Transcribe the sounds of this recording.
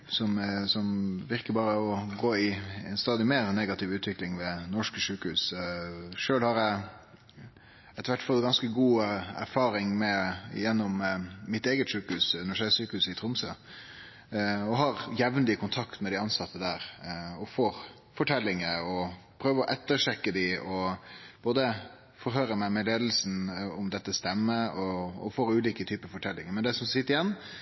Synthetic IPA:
sɔmsɔmʋɪɾkəɾbɑːɾəɔɡoːɪɛ̰nst̪ɑːd̪ɪmeːɾneːɡɑt̪ʰɪʋʉːt̪ʰʋɪklɪŋʋɛnɔʂkəʂʉːkəhʉːs | ʂøːlhɑɾæɪ | ɛt̪ːəʋæʈːfɔt̪ɡɑnskəɡuːæ̰ɾfɑːɾɪŋmɛɪ̰jɛnːɔmːɪt̪eːɡət̪ʂʉːkəhʉːsʉnəʂæsyːkəhʉːsɪt̪ʰɾʊmsə̰ | ɔɦɑɾjɛʋnlɪəkʊnt̪ʰɑkt̪mɛd̪ɪɑnsɑt̪ːəd̪æːɾɔfoːɾ | fɔʈʰɛlːɪŋəɾɔpʰɾøːʋəɔʔɛt̪ːəɾʂɛkːəd̪ɪɔb̥oːd̪ə | fɔɾɦøːɾəmæɪmɛleːd̪l̩sn̩ɔmd̪ɛt̪ːəst̪ɛmːəɔɔ̰foːɾʉːliːkət̪ʰyːpəfɔʈʰɛlːɪŋəɾmɛnd̪ɛsɔmsɪt̪ːəɾɪjɛnː

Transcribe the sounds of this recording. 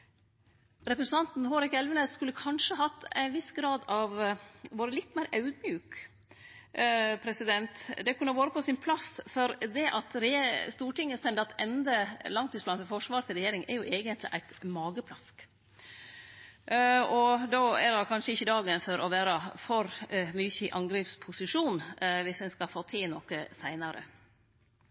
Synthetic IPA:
ɾɛpɾəsən̩t̪ʰɑnt̪nɦoːɾɪkɛlʋənəskʉlːəkʰɑnʂəɦɑt̪ːæ̰ɪnʋɪsɡɾɑːd̪ɑʋʋoːɾəlɪt̪ːmæɪɾʔɑʉd̪mjʉːk | pʰɾɛsɪd̪ɛnt̪d̪ɛkʰʉnːəʋoːɾəpʰɔsɪnpʰlɑsfɔɾd̪ɛʔɑt̪ɾst̪uːʈɪŋːəst̪ɛnd̪ɑt̪ɛnd̪əlɑŋt̪ːɪsblɑːnfɔɾfɔʂʋɑːɾt̪ʰɪlɾɛjeːɾɪŋʔɛ̰ɾjʊʔeːɡənt̪lɪ̰ʔæɪt̪mɑːɡəpʰlɑsk | ɔd̪oːɛɾɑkʰɑnʂəɪçːəd̪ɑːɡənfɔɾʔɔʋæːɾəfɔɾmʏçəɪʔɑŋɡɾiːpspʰʊsɪʂuːnʋɪsɛnskɑfoːt̪ʰɪlnɔkəsæɪnɑɾʔə̰

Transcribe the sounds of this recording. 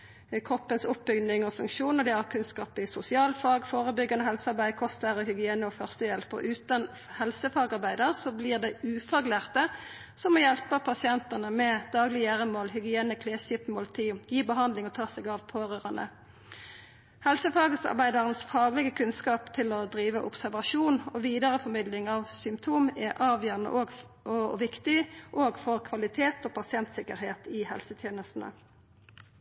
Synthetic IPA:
kʰʁɔpːənsʊp̚bʏɡnɪŋɔfʉŋkʃuːnəd̪ɛɑʁkʰʉnskɑːpɪsʊsɪɑːlfɑːɡfoːʁəbʏɡːɑnəhɛlsɑʁbæɪkʰɔst̪læːʁəhʏɡɪeːnəɔfœʁst̪əjɛlpə̰ʔʉːt̪ɑn | hɛlsəfɑːɡɑʁbæɪd̪əʁsɔbliːʁd̪ɛʉːfɑɡlæːʁt̪ə | sɔmɔjɛlpəpʰɑsɪɛnt̪əʁnəmɛd̪̥ɑːɡlɪjæːʁəmoːlhʏɡɪeːnəkʰleːʃɪpmoːlt̪ʰiːjiːbəɦɑnd̪lɪŋɔt̪ʰɑːsɛɡɑʋpʰoːʁøːʁɑnə̰ | hɛlsəfɑːɡəsɑ̰ʁbæɪd̪ɑʁənsfɑːɡlɛɡəkʰʉnskɑːpt̪ʰɪlɔd̪ʁiːʋəʔʊ̰psæʁʋɑʃuːnɔʋiːd̪əʁəfɔmɪd̪lɪŋɑʋsʏmp̚t̪ʰuːmɛʔɑːʋjøːʁnə̰ʔoɡ | ʋɪkt̪ɪʔoːɡfɔʁkʰʋɑlɪt̪ʰeːt̪oːpʰɑsɪɛnt̪sɪkəɾheːt̪ɪhɛ̰lsət̪ʰjeːnəst̪n̩ə̰

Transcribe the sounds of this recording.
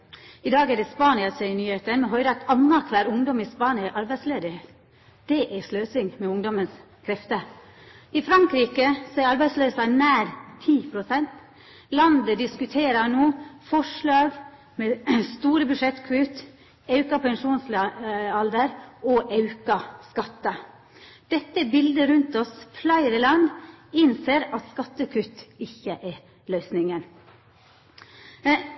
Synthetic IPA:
ɪd̪ɑːɡæd̪ɛspɑːnɪɑsɛɪnyːheːt̪ənmɛɦœʏɾɑt̪ʰɑnːɑkʰʋæːɾʊŋd̪ɔmɪspɑːnɪʔɑɾbæɪsleːd̪ɪhe | d̪̥ɛʔæsløːsɪŋmɛʊŋd̪ɔməns | kʰɾɛft̪ə | ɪfɾɑŋkɾiːkəsɔæɾɑɾbæɪsløːsɑnæːɾt̪ʰiːpʰɾʊsɛnt̪ | lɑnd̪əd̪ɪskʉt̪ʰeːɾɑnuːfɔʂɭɑːɡ | mɛst̪uːɾəbʉʂɛt̪kʰʉːt̪ | ɑʉkɑpʰɛŋʂuːnslɑld̪əɾɔʔɑʉkɑskɑt̪ːə | d̪̥ɛt̪ːəbɪld̪əɾʉnt̪ɔsflɑɪɾɪlɑnd̪ɪnseːɾɑt̪skɑt̪ːəkʰʉt̪ɪçːəʔɛ | løːsnɪŋən

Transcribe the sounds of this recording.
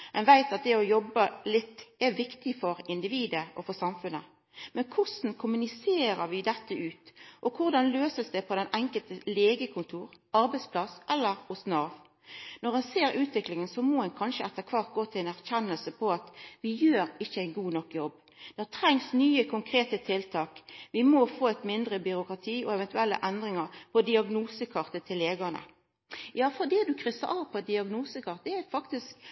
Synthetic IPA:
ɛnʋæɪt̪ɑt̪̚d̪ɛɔjɔbːəlɪt̪ːɛʋɪkt̪ɪfɔɾɪnd̪ɪʋiːd̪əʔɔfɔsɑmfʉnə | mɛnkʰʊsn̩kʰʊmʉnɪseːɾəɾʋɪd̪ɛt̪ːəʉːt̪ʔɔkʰʊɾd̪ɑnløːsəsd̪ɛpʰɔd̪ɛnɛŋkəlt̪əleːɡəkʰʊnt̪ʰuːɾɑɾbɛɪtspʰlɑsʔɛlːəɾʊsnɑʋ | nɔʁɛnseːɾʉːt̪ʋɪklɪŋənsɔmɔɛnkʰɑnʃəɛt̪ːəɾkʰʋɑɾt̪̚ɡoːt̪ʰɪlænæʁçɛnːəlsəpʰɔɑt̪ʋɪjøːɾɪçːəæɪnɡuːnɔkːjɔbː | d̪̥ɛhæt̪ʰɾɛŋsnyːəkʰʊŋkʰɾeːt̪ət̪ʰɪlt̪ʰɑːkʋɪmɔfoːɛɪt̪mɪnd̪ɾəbʏɾʊkɾɑt̪ʰiːɔɛʋɛnt̪ʉɛlːə̰ʔɛnd̪ɾɪŋɑɾpʰɔd̪ɪɑɡnuːsəkʰɑʁt̪ət̪ʰɪlːeːɡɑnə̰ | jɑːfɔʁd̪ɛd̪ʉkʰɾʏsə̰ɾʔɑʋpʰɔd̪ɪɑɡnuːsəkʰɑʁt̪æfɑkt̪ɪsk

